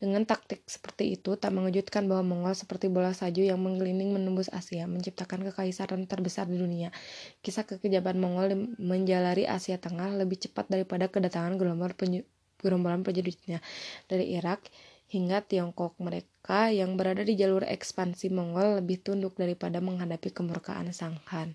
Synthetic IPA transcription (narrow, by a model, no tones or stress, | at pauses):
dəŋant̪ak̚t̪ɪk̚sə̥pərt̪iit̪ut̪aʔməŋud͡ʒut̪̚kanbaɦwamɔŋɔlsə̥pərt̪ibolasad͡ʒujaŋməŋɡəlinɪŋmənumbʊsa̰siaməɲt͡ʃip̚t̪akankəkawisanant̪ərbəsardiduniakisakəkəd͡ʒiabnmɔŋɔlməɲd͡ʒalaɾiʔa̰siat̪əŋahləbɪht͡ʃə̥pat̪̚daɾipadakədat̪aŋanɡɾmɔl | ɡɾɔmbɔlanpərɲudit̪̚ɲad̥aɾiʔiɾak̚ | hiŋɡat̪iɔŋkɔk̚məɾekajaŋbəɾadadid͡ʒalurɛ̰kspansimɔŋɔlːəbɪht̪undʊk̚daɾipadaməŋɦadapikəmurka̰ʔa̰nsaŋhan